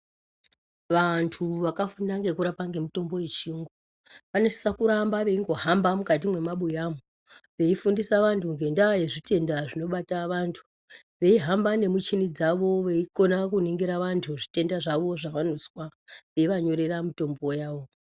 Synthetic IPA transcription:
ʋantʰuʋakafundaŋɡe̞kuɾapaŋɡe̞muto̞mbo̞jet͡ʃiŋɡu | ʋanese̥sakuɾambaʋe̞iŋɡo̞ɦambamukat̬imwe̞maɓujamu | ʋe̞ifundisaʋantʰuŋɡe̞ndajeʐite̞ndaʐino̞ɓataʋantʰu̥ | ʋe̞iɦambane̞mut͡ʃinid͡zaʋo̞ʋe̞iko̞nakuneŋɡeɾaʋantʰuʐi̥te̞ndaʐaʋo̞ʐaʋanoswaʋe̞iʋaɲo̞ɾe̞ɾamito̞mbo̞jaːʋo̞

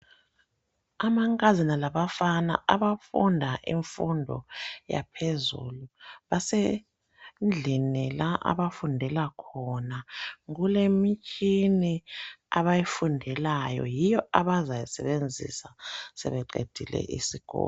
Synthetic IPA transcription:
amaŋkʼazinalaβafana̰ʔaβafundʱaʔiɱfundʱɔ̰ja̰pʰezṵluβase | nd͡ɮʱinilaʔa̰βafundʱɛlakʰɔnaŋulemit͡ʃʼiniaβajifundʱɛlajɔ̰jijɔaβazajasɛβend͡zʱḭsasɛ̰βɛǃḛd̥ʱilɛ̰ʔisiɡ̥ʱɔ̰ːl

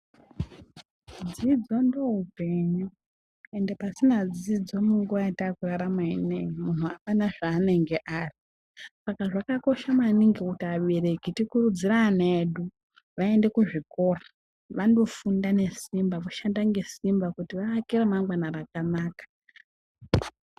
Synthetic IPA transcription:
d͡zid͡zo̞ndoɦupe̞ɲu | endepasinad͡zid͡zo̞muŋɡuʋajetaːkuraɾamaineimunuapanaʐaːne̞ŋɡe̞ʔaːri | sakaʐakako̞ʃamainiŋɡekutiaɓerekitikurud͡ziraneːɗu | ʋae̞nde̞kuʐiko̞ra | ʋando̞fundane̞simbaʋoʃandaŋɡe̞simbakutiʋaːkiremaŋɡwanarakanaːkḁ

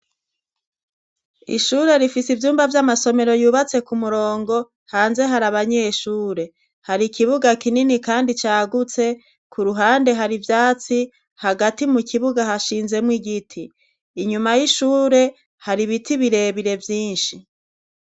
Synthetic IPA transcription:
ḭʃuːɾe̞ɾifisivjuːmbavjamaso̞me̞ɾo̞juːβat͡se̞kumuɾo̞ːŋɡo̞ | haːnze̞ɦaɾaβaɲe̞ʃuːɾe̞ | haɾikʰiβuɡakininikaːndit͡ʃaːɡut͡se̞ | kʰuɾuɦaːnde̞ɦaɾivjaːt͡si | haɡatimukʰiβuɡahaʃiːnze̞mŋwiɡitʰiː | ɲumajiʃuːɾe̞ | haɾiβitiβiɾe̞βiɾe̞vjiːnʃi

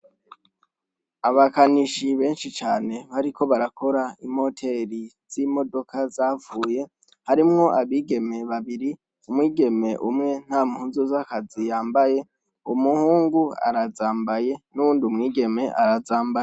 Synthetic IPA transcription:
aβakaniʃiβe̞ːnʃit͡ʃaːne̞βaɾiko̞βaɾako̞ɾaim̥ho̞tʰe̞ɾiz̥imo̞do̞kʰazaːvuːje̞ | haɾimŋo̞ʔaβiːɡe̞me̞βaβiɾi | umŋiːɡe̞me̞ʔumŋe̞n̥haːmuhuːnzuzakazijaːmbaje̞ | umuhuːŋɡua̰ɾazaːmbaje̞nuuːndiumŋiːɡe̞me̞ʔaɾazaːmbaje

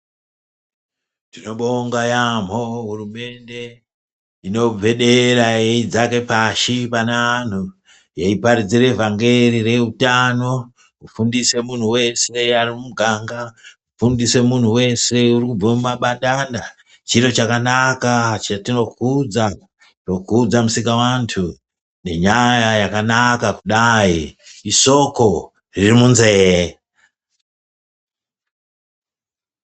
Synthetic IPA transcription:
tino̞ɓo̞ŋɡajam̤oɦurume̞nde̞ | ino̞vʱe̞ɗe̞ɾaeid͡zake̞paʃipanan̤u | jaipaɾid͡zire̞vaŋɡe̞rire̞utano̞ | ufundise̞mun̤uwe̞se̞arimuɡʱaŋɡaufundise̞mun̤uwe̞se̞urikub͡vamumaɓaɗanda | t͡ʃiɾo̞t͡ʃakanakat͡ʃatino̞kud͡za | ro̞kuːd͡zamusikawantʰu | ne̞ɲajajakanakakuɗaiiso̞ko̞ | ririmunzee

